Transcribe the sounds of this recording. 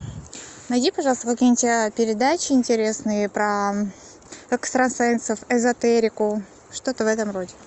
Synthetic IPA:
nɐjdʲipɐʐɑlˠst̪əkɐkʲijnʲtʲpʲɪɾʲɪd̪at͡ɕɪɪnʲtʲɪɾʲe̞snɨjəpɾɐ | ɛkst̪ɾɐnsɛnsəfɛzɐt̪ɛɾʲɪkʊ | ʂt̪ot̪əvɛt̪əmro̞dʲɪ

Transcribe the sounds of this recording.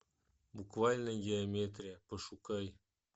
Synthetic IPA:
bukvɑlʲnə̆ɡʲiomʲet̪rʲepəʃukɑj

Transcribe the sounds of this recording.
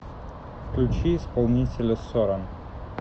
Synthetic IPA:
fklʲʉt͡ɕiɪspɐlˠnʲitʲɪlʲəst̪oɾɐn

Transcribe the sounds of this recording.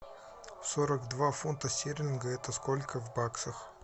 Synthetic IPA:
soɾəkd̪vafunt̪əsʲeɾʲɪnɡəɛt̪əskolʲkʰəvbaksəx

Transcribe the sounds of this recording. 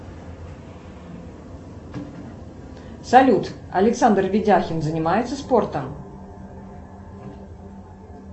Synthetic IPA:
salʲut̪ | ɐ̰lʲɪksand̪rvʲɪd͡zʲaxʲɪnzənʲɪmajɛt̪səsport̪əm

